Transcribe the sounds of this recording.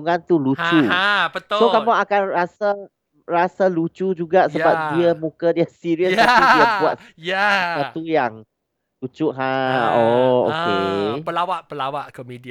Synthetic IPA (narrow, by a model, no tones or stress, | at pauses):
ŋãnt̪ulut͡ʃuabət̪sok̪amaʔakanɾasa | rasalut͡ʃud͡ʒuɡaʔsəbap̚diəmũkədiəsiɾiəsaudiəbuat̚jasat̪ujaŋ | lut͡ʃuʔɦãɔo̰kepəlawaʔpəlawaʔkomedia